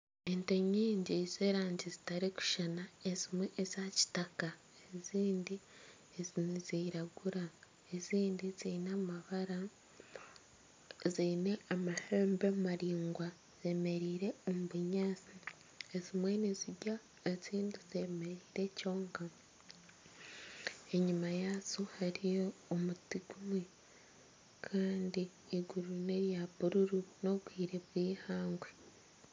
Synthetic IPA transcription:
ento̞ɲiːɲɟiz̥e̞ːɾaːɲɟizitaɾiku̥ʃanaezimwe̞ʔːzaci̥taka | eziːndi | ezniziɾaɡuɾa | eziːndiziːnamaβaɾa | ziːne̞amaheːmbemaɾiːŋɡwa | z̥e̞ːme̞ɾiːɾe̞omuβuɲaːt͡si | ezimwe̞niziɟa | et͡siːndize̞me̞ɾiːɾe̞co̞ːŋka | e̞ɲumajaːt͡suhaɾijo̞ːmutiɡumwe | kʰaːndiː | ɡuɾune̞ɾjaβuɾuɾuno̞ɡwiːɾe̞βwiːhaːŋɡwe̞

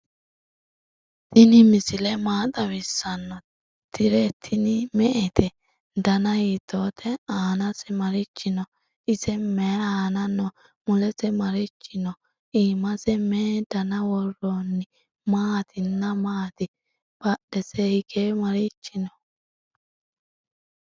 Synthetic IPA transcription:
t̪ɪnɪmɪsɪlɛmaːt̪ʼɐwɪsːɐnːɔ | t̪ʰɪɾɛt̪ʰːɪnɪmɛʔɛt̪ʰɛ | d̪ɐnɐjɪt̪oːt̪ʰɛaːnɐsɛmɐɾɪt͡ʃːɪnɔ | ɪsɛmɛːaːnɐnːɔ | mʊlɛsɛmɐɾɪt͡ʃːɪnɔ | iːmɐsɛmɛd̪ɐnɐwɔronːɪ | maːt̪ʰɪnːɐmaːt̪ɪ | b̥ɐɗɛsɛhɪɡemɐɾɪt͡ʃːɪnɔ̥

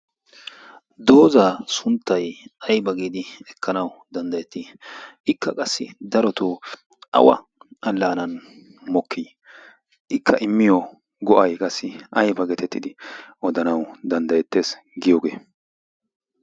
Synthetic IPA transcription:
d̪o̞ːzaːsʊnt̪ːɐjɐjbɐɡiːd̪ɪɛkːɐnɐwd̪ɐnd̪ɐjɛt̪ːiʔɪkːɐkʼɐsːɪ̰d̪ɐɾɔt̪ʊ | ʔɐ̰wɐ̰ | ɐlːaːnɐn | mɔkʰːi | ʔɪkʰːɐʔɪmːɪjɔ | ɡɔʔɐjkʼɐsːɪʔɐjbɐɡɛt̪ɛt̪ːɪd̪ɪʔɔd̪ɐnɐwd̪ɐnd̪ɐjɛt̪ːeːs | ɡɪjoːɡeː

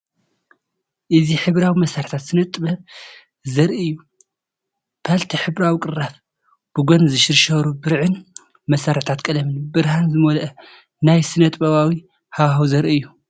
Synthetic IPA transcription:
ʔɨziħɨβɾawimɐsaɾt̪ʰat̪sɨnɐt̪ʼbɐβ | zɐɾʔiɨjːu | pʰalt̪ʰiħɨβɾawikʼɨrːaf | b̥ɨɡonzɨʃɨɾʃɐɾubɨɾʕɨn | mɐsaɾt̪ʰat̪kʼɐlɐmɨnbɨɾhanzɨmolʔɐ | najsɨnɐt̪ʼbɐβawi | hawhawzɐɾiɨjːu

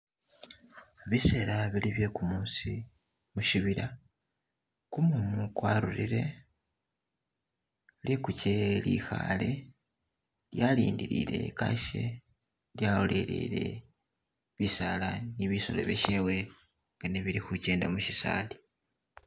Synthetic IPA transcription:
βise̞ɾaβiliβje̞kumuːsi | muʃiβiɾa | kumunukwaːɾuɾiɾe̞ | lekucelixale̞ | ljaliːndiɾḭɾe̞̰kaʃe | ljaolʔe̞ɾḛɾe̞̰ | βisalaniβiso̞̰lo̰βeʃewe̞ | ŋɡaneβiɾixuceːndamuʃisa̰ːli

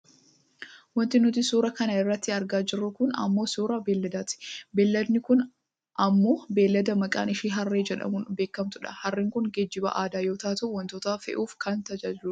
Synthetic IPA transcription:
wɔnt̪ɪnʊt̪ɪsuːɾɐkɐnɐɪrːɐt̪ːɪɐɾɡaːd͡ʒɪrːʊkʊnɐ̰mːo̞ːsuːɾɐbeːlːɐd̪aːt̪ɪ̥beːlːɐd̪nɪkʊn | ʔɐmːo̞ːbe̞ːlːɐd̪ɐmɐkʼa̰ːnɪʃiːɦɐrːeːd͡ʒɛᶑɐ̰mʊnbe̞ːkːɐmt̪ʊᶑɐ̥̰hɐrːɪŋkʊŋɡɛd͡ʒːɪbɐ̰ʔaːd̪aːjo̞ːt̪aːt̪ɐʊwɔnt̪oːt̪aːfɛ̰ʔuːfkɐnt̪ɐd͡ʒɐd͡ʒuːɐ

